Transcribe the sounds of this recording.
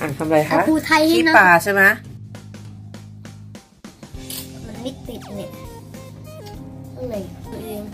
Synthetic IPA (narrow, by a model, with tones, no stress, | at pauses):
ʔaː˨˩t̪ʰa˧mɾa˧jkʰa˧˦˥pʰuː˧˩t̪ʰa˧jha˥˩nɔ˦paː˥˨˩t͡ɕʰa˥˩jma˦˥ | ma˧nʰa˧ni˦˥t̪̚p̪i˨˩t̪̚ni˨˩ | ʔʰu˧˩ʔeː˧ŋ